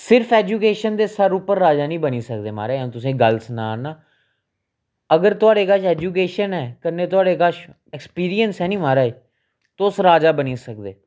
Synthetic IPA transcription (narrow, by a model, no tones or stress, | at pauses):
sɪɾfʰɛːd͡ʒuːkeːʃənd̪eːsəɾuːpəɾːaːd͡ʒaːnĩːbəniːsəkd̪eːma̰ːɾaːẽt̪ʊs̬ĩːɡəlsnaːnaː | əɡəɾt̪ʊaːɽeːkəʃɛːd͡ʒuːk̬eːʃənɛːkəneːt̪ʊaːɽeːkəʃ | ɛkspiːɾijənsɦɛːnĩːmaːɾaːiː | t̪oːʊsɾaːd͡ʒaːbəniːsək̚d̪eː